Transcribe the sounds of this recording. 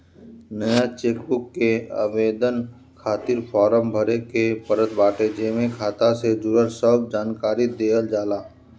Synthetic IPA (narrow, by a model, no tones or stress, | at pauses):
nəjat͡ʃeːkbʊkːea̰ːʋeːd̪ən | kʰaːt̪ɪɾpʰɔːɾəmbʱəɾekepəɾət̪baːʈed͡ʒeːmẽkʰaːt̪ased̪ʊɾəɾsəbd͡ʒaːnkaːɾid̪eːəld͡ʒaːlaː